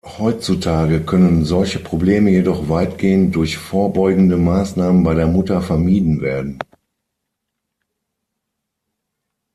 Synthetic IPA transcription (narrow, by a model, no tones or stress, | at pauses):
hɔʏt͡sutʰaːɡəkʰœnənzɔlçəpʁ̥obleːməjedɔχv̥aɪtɡ̥eːəntd̥ʊɐçfoːɐbɔʏɡŋ̩dəmaːsnaːmənbaɪɾeːɐmʊtɐfɛɐmiːdn̩veːɐdn̩